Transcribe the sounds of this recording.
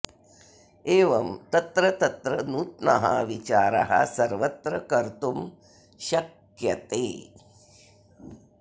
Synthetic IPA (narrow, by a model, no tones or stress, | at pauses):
eːʋɐmt̪ɐt̪ɾɐt̪ɐt̪ɾɐnut̪̚nɐ̰ɦa̰ʋit͡ʃaːɾɐ̰ɦɐ̰sɐɾʋɐt̪ɾɐkɐɾt̪um | ʃɐk | jɐt̪eː